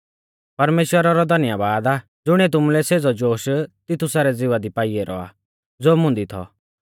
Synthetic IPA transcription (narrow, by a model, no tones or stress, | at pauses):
pɐɾmeːʃwəɾaɾɔd̪ʱɐnɪjabaːd̪aː | d͡zʊɽ̃iɛt̪̬ʊmulɛseːd͡zɔd͡ʒoːʃt̪ɪt̪ʰusaɾɛd͡zɪʋad̪ipaːiɛɾɔ̰a̰ː | d͡zoːmʊ̃nd̪it̪ʰɔ̰